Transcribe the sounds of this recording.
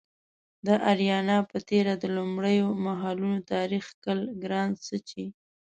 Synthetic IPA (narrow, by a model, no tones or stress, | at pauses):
d̪əʔaɾjɑnɑpət̪eɾad̪əlumɽəjomaɦɑlunot̪ɑɾixkəlɡɾɑnsət͡ʃi